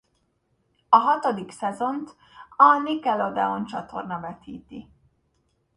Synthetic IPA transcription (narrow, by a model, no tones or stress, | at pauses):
ɒɦɒt̪o̞d̪iksɛzo̞nt̪ | ɒnikɛlo̞d̪ɛo̞nt͡ʃɒt̪o̞̰rnɒvɛt̪ḭːt̪i